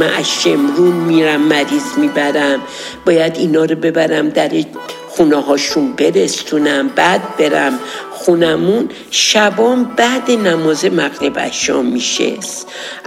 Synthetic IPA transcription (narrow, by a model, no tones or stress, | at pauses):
æʔæʃemɾunmiɾæmːæɾiːzmiːbæɾæm | b̥ɒːjæd̪inɒːɾobe̞bæɾæmd̪æɾ | xuneɦɒːʃunbe̞ɾesunæmbæd̪̚be̞ɾæmxunæmun | ʃæbɒːmbæd̪enæmɒːzemæɣɾebæ̰ʃɒ̰ːmːiʃḛs